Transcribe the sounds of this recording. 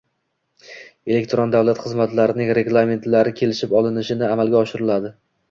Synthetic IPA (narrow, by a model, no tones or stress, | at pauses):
e̞lekʲt̪ɾond̪avlat̪χɨzmat̪laɾɪnɪŋɾe̞ɡlˠamʲe̞nt̪laɾɪkʲʰe̞lɪʃɪpɒlˠɪnɪʃɪnɪamalˠɡʲaɒʃɪɾɪlad̪ɪ